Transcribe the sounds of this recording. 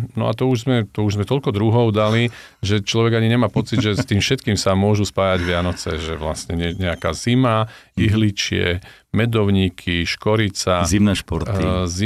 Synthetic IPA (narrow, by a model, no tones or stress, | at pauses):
nɔ̰a̰t̪ɔuʒzmɛt̪ɔuʒzmɛt̪ɔlkɔd̪ɾuɦɔʊd̪ali | ʒɛt͡ʃlɔʋɛɡaɲiɲɛmaːpɔt͡sidmʒɛst̪iːmfʃɛt̪kiːmsamʊɔʒuspaːjaɟʋɪanɔt͡sɛ̰ʒɛ̰ʋla̰sɲɛɲɛɲɛaka̰ːz̥imaiɦlit͡ʃɪɛ̰ | mɛd̪ɔʊɲikʰiʃkɔɾit͡sazimnɛːʃpɔɾt̪izi